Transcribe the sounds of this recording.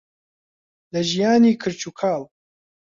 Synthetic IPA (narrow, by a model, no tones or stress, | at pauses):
lɐʒijaːniːkʰɨɾt͡ʃʰuːkʰaːl